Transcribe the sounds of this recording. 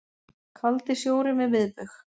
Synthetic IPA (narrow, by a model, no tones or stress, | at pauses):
kʰalt̪ɪsjoːwɾɪmɛðvɪðp̪ʏx